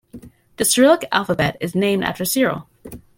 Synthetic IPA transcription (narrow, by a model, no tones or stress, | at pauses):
ðɨsə˞ɪlˠəkæ̰lˠfəbɛɾɨznẽɪ̃mdɨ̰tɹɨsɪɹo̰lˠ